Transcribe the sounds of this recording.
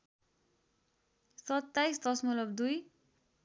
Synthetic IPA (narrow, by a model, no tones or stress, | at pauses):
sʌt̪ːajsd̪ʌsmʌlʌbd̪uj